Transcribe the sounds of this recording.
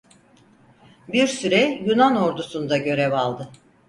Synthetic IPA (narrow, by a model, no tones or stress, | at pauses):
biɾsyɾɛjunano̞ɾd̪usund̪aɟø̞ɾɛvalˠd̪ɯ